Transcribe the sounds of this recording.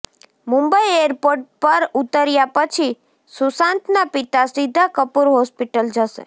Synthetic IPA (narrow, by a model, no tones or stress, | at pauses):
mũmbəieɾpoɾʈpəɾut̪əɾjapət͡ʃʰi | susãnt̪napit̪asid̪ʱakəpuɾɦɔspiʈəld͡ʒəʃḛ